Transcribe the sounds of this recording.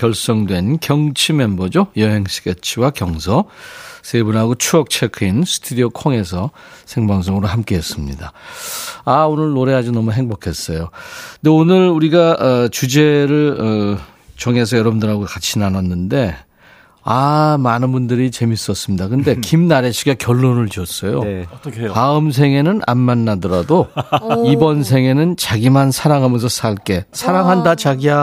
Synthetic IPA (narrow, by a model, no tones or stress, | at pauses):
kjʌɭs͈ʌŋdwe̞nkjʌŋt͡ɕʰimenbʌd͡ʑojʌɦe̞ŋɕʰi̥ɡet͡ɕʰiwakjʌŋsʰʌsʰebunɦaɡot͡ɕʰuʌk̚t͡ɕʰekʰɯinsʰɯ̥tʰudiokʰoŋe̞s̬ʰʌsʰe̞ŋbaŋs̬ʰoŋɯɾoɦamk͈e̞ɦes͈ɯmɲḭda | aonɯɭnoɾe̞ɦad͡ʑinʌmuɦe̞ŋbokʰe̞s͈ʌjondeonɯɾuɾiɡaʌt͡ɕud͡ʑe̞ɾɯɭʌ | t͡ɕʌŋe̞s̬ʰʌjʌɾʌbɯndɯɾɦaɡokat͡ɕʰinanʌnːɯnde̞ | amanɯnbundɯɾit͡ɕe̞mis͈ʌs͈ɯmɲidakɯnde̞kimnaɾeɕʰiɡakjʌɭːonɯɭt͡ɕiʌs͈ʌjo | paɯms̬ʰe̞ŋe̞nɯnʔa̰nmanːadʌɾadoibʌns̬ʰe̞ŋe̞nɯnt͡ɕaɡimansʰaɾaŋɦamjʌns̬ʰʌs͈ʰaɭk͈e̞sʰaɾaŋɦandat͡ɕaɡia